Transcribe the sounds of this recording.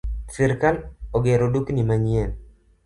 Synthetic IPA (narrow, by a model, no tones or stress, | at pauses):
sɪɾkaloɡɛɾoduknimaɲiɛn